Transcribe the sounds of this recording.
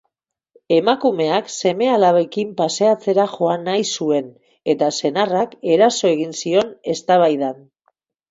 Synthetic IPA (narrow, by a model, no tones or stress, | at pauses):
e̞makume̞akse̞me̞alaβekimpase̞at͡se̞ɾaʝo̞anajsue̞n | e̞t̪ase̞narake̞ɾaso̞e̞ɣ̞insio̞ne̞st̪aβ̞ajðan